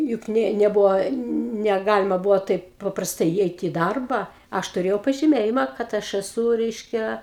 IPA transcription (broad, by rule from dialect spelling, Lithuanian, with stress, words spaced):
jʊk ˈnʲeː nʲɛˈbʊʋoː nʲɛˈɡɑːlʲɪmɐ ˈbʊʋoː ˈtɐɪp pɐprɐsˈtɐɪ iːˈɛɪtʲɪ ɪ ˈdɐrbɐ ˈɐʃ tʊˈrʲeːjɛʊ pɐʒʲɪˈmʲeːjɪmɐ kɐt ˈɐʃ ɛˈsuː ˈrʲɛɪʃʲkʲɛ